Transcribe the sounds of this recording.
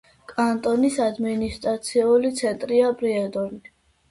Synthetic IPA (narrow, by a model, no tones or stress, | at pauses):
kʼant̪ʼɔnisad̪minist̪ʼɾat̪sʰiulit̪sʰɛnt̪ʼɾiapʼɾiɛd̪ɔni